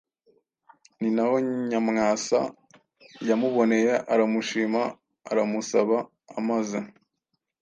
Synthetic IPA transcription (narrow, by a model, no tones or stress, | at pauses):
ninaho̞ɲamŋaːsa̰ | jamuβo̞ne̞jeʔaɾamuʃiːmaː | ɾamusaβaː | maza